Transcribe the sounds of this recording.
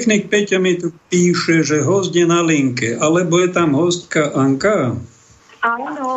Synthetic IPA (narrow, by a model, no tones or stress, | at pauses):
t̪xnik̚pɛcamit̪upiːʃɛʒɛɦɔzɟjɛnaliŋkɛʔalɛbɔjɛt̪amɦɔst̪kaʔaŋka